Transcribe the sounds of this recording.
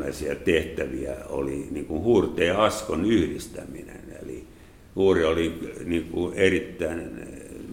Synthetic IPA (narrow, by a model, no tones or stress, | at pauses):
æisiæt̪eht̪æʋiæ̰o̰liniːŋkuhuːrt̪eːɑskonyhrist̪æminḛnḛlḭ | huːrioliniːŋkuerit̪ːæin